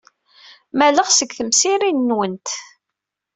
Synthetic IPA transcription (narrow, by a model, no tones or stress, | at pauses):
mæləʁsəɡθəmsiɾinːwənt̪